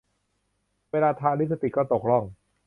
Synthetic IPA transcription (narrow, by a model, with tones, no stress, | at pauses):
weː˧laː˧t̪ʰaː˧li˦˥sʰa˧t̪i˨˩kɔː˥˩t̪o˨˩k̚lɔ˥˩ŋ